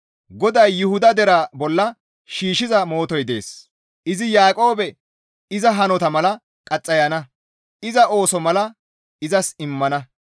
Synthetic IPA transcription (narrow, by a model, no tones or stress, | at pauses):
ɡɔd̪ɐjːʊhʊd̪ɐd̪ɛɾɐbɔlːɐ | ʃiːʃɪzɐmo̞ːt̪ɔjd̪e̞̰ːs | ʔɪzɪjaːkʼo̞ːbɛ | ɪzɐɦɐnɔt̪ɐmɐlɐ | kʼɐt͡sʼːɐjɐnɐ | ɪzɐʔo̞ːsɔmɐlɐ | ɪzɐsɪmːɐnɐ